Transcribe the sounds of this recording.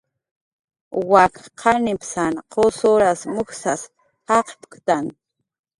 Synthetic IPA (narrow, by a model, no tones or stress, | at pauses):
wakqʰɑnɪpsanqosoɾasmʊksas | ɑqpkt̪an